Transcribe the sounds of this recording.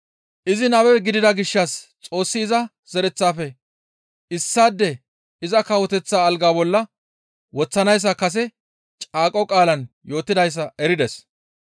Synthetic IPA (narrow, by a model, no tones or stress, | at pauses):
ʔɪzɪnɐwɛɡɪd̪ɪd̪ɐɡɪʃːɐst͡sʼo̞ːsːɪːzɐ | z̥ɛɾɛt͡sːaːfɛ | ɪsːaːd̪ːɛ | ɪzɐkɐwɔt̪ɛt͡sːaːlɡaːbɔlːɐ | wɔt͡sːɐnɐjs̬ːɐkɐs̬ɛ | t͡ʃʼaːkʼɔkʼaːlɐn | jo̞ːt̪ːɪd̪ɐjs̬ːɐɛɾɪd̪ɛs